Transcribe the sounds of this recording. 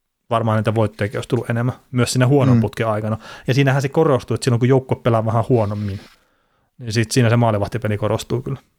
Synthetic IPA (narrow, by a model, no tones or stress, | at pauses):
ʋɑrmɑhɑniːt̪æʋoit̪ːojɑkioˑist̪ulːuʔʔenemːæmyøssiːnæhuonomput̪keɑikɑnɑjɑsiːnæhænsekorost̪uot̪silːoŋkujoukːoeppelæʋɑhɑ̃huonomːin | ninsit̪siːnæsemɑːliʋɑst̪epelikorost̪uːkyl